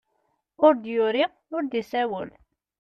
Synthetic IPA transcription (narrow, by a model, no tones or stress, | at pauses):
ʊɾd̪jʊɾi | ʊɾd̪isæwəl